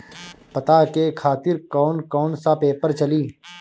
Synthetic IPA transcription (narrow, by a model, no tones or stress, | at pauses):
pɐt̪akekʰaːt̪ɪɾkɔːnkɔːnsapeːpəɾt͡ʃɐliː